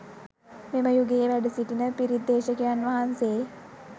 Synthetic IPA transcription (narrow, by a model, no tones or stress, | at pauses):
meməjuɡeʋæɖusiʈinəpiɾid̪ːeːʃəkejanʋaɦanseː